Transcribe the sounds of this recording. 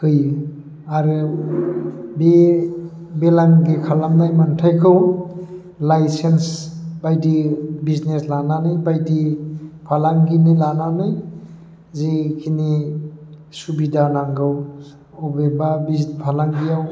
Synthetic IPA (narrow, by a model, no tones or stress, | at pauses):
kɯj | aɾɯ | be | belaŋɡikʰalaŋnajmantʰajkʰɯw | lajsensbajdibizneslananɯjbajdipʰalaŋɡinilananɯj | zikʰini | subidanaŋɡɯw | ɔbebabizpʰalaŋɡijaw